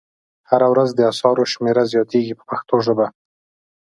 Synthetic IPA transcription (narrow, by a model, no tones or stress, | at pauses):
haɾawɾazd̪əasɑɾoʃmeɾazjɑt̪eɡipə̥paxt̪oʒəba